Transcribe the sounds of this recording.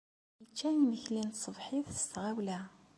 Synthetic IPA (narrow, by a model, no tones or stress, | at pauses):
jət͡ʃːæjnməçlint̪sˤəvħiðθə̥st̪ʁæwlæ